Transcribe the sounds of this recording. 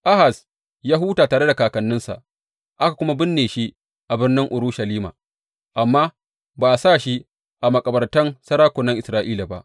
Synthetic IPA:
ʔa˦ha˨s | jaː˦ɦuː˦taː˨taː˨ɽe˦da˨kaː˨kɐ˨nːɪ˦nsa̰˨ʔ | ʔa˦ka˨kʷʊ˦ma˦bɪ˦nːeː˨ʃi˦ | ʔa˨bɪ˦rnɪ˦ŋʔʊ˨ɾuː˦ʃa˨liː˦ma̰ː˨ | ʔa˨mːaː˦ | baː˨ʔa˨saː˦˨ʃi˦ | ʔa˨mɐ˨kʼɐ˨bɐ˨rtɐ˦nsɐ˦ɾaː˦kʷʊ˨nːɐ˦ŋʔɪ˨sɾaː˦ʔiː˦la˨ba˦ʔ

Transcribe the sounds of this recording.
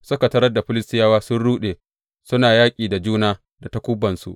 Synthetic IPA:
sʊ˦ka˨tɐ˦ɾɐ˦da˨ɸɪ˦lɪ˦stɪ˦jaː˦waː˦sʊ˦nɽuː˦ɗeː˨ | sʊ˦naː˨jaː˦kʲʼiː˨da˨d͡ʒuː˦naː˦ | da˨ta˦kʷʊ˦bɐ˨nsṵ˨ʔ

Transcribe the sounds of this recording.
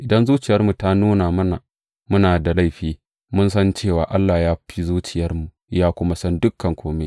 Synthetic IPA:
ʔɪ˨dɐ˦nzuː˦t͡ʃɪ˨jɐ˦rmu˨ta˦nuː˦na˨mɐ˦na̰˨ | mʊ˦naː˨da˨la˦˨ɸiː˦ | mʊ˦nsɐ˦nt͡ʃeː˦˨waː˨ʔa˦lːa˨jaː˦ɸi˦zuː˦t͡ʃɪ˨jɐ˦rmu˨ | jaː˦kʷʊ˦ma˦sɐ˦ndʊ˦kʰːɐ˨ŋkʷʰoː˦me˦

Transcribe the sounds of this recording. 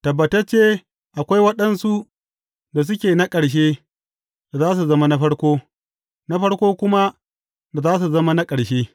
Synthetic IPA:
tɐ˨bːɐ˨tɐ˦t͡ʃːeː˦ | ʔa˨kʷa˦jwɐ˦ɗɐ˦nsu˦ | da˨s̬ʊ˦kʲeː˨na˦kʼɐ˨ɽʃ̬eː˦ | da˨zaː˦s̬u˨zɐ˦ma˦na˦ɸɐ˦ɽkʷoː˦ | na˦ɸɐ˦ɽkʷoː˦kʷʊ˦ma˦ | da˨zaː˦s̬u˨zɐ˦ma˦na˦kʼɐ˨ɽʃeː˦

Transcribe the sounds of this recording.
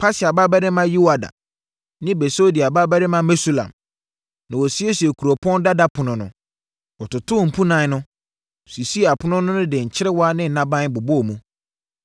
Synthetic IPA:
pʰa˦sɪ˨a˨ba˦ba˦ɾɪ˦mã˦ji˦wa˨da̰˨ | nɪ̃˦bɛ˨so˦di˨a˨ba˦ba˦ɾɪ˦mã˦mɛ˦su˦lã̰˨m | nã˨wɔ˨si˦e˦si˨e˨kʰu˨ɾo˨pʰɔ̃˦n˦da˦da˦pʰʊ˨nʊ̃˨nʊ̰̃˨ | ɔ˨tʊ˨tʰʊ˦˨m̩˨pʰũ˦nã˨˦nʊ̃˦ | si˨si˦˨a˨pʰʊ˦nʊ̃˦nʊ̃˦nʊ̃˦dɪ˨ɲ̩˨t͡ɕʰɪ˦ɾɪ˦wɔ˦a˦nɪ̃˦n̩˨nã˦bã˦n˦bʊ˨bʊ˦ɔ˨mũ˦

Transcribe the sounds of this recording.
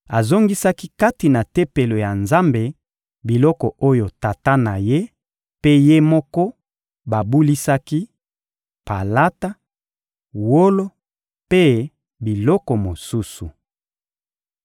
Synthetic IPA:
a˨zo˦ŋɡi˦sa˦ki˦ka˦ti˨na˨te˦pe˨lo˨ja˨nza˦mbe˨ | bi˨lɔ˦kɔ˨o˦jo˨ta˨ta˦na˨je˦ | pe˦je˦mɔ˦kɔ˦ | ba˨bu˦li˦sa˦ki˦ | pa˨la˦ta˦ | wo˦lo˦ | pe˦ | bi˨lɔ˦kɔ˨mo˨su˦su˨

